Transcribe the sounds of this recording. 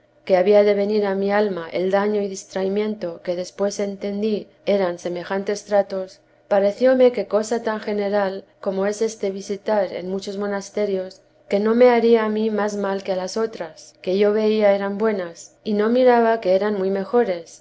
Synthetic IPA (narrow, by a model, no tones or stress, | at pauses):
ke̞aβiaðe̞βe̞niɾamialmaʔe̞̰ld̪aɲo̞iðist̪ɾaimjẽ̞nt̪o̞ke̞ðe̞spwe̞se̞nt̪e̞nd̪i | e̞ɾanse̞me̞xant̪e̞st̪ɾat̪o̞s | paɾe̞θjo̞me̞ke̞ko̞sat̪aŋxe̞ne̞ɾal | ko̞mo̞e̞se̞st̪e̞β̞isit̪aɾe̞̰nmut͡ʃo̞zmo̞nast̪e̞ɾjo̞s | ke̞no̞me̞aɾiaːmimazmalkealaso̞t̪ɾaske̞ʝo̞βe̞iae̞ɾambwe̞nasino̞miɾaβake̞eɾanmujme̞xo̞ɾe̞s